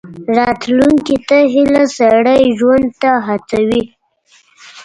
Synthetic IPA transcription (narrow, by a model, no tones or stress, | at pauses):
ɾɑt̪luŋkit̪aɦilasaɽəjʒwand̪̚t̪aɦat͡sawi